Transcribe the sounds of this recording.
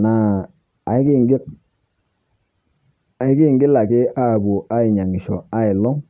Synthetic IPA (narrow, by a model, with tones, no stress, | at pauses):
na˨ | a˨i˦ɡi˦˨ŋɡɪ˦k̚ | a˨ɪ˦ɡi˦˨ŋɡɪ˦la˨kɪ˦a˦˨bo˨ʔa˦i˨ɲa˨ŋi˨ʃɔ˨a˦ɪ˨lɔ˦ŋ